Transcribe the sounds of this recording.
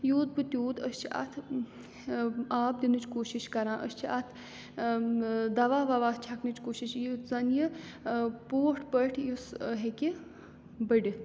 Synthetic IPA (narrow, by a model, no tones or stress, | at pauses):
juːd̪̚bɨt̪ʲjuːd̪əst͡ʃʰiɐ̰t̪ʰ | aːp̚d̪inɨt͡ʃkoːʃiʃkɐɾãːʔə̰st͡ʃʰiɐt̪ʰ | d̪ɐʋaːʋɐʋaːt̪̚ʰt͡ʃʰɐknɨt͡ʃkoːʃiʃjizɐnji | poːʈʰpəʈʰjusəɦekʲi | bəɖʲi